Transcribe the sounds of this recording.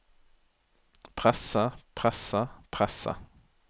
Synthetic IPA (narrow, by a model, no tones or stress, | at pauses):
pʰʁɛsəpʰʁɛsəpʰʁɛsə̰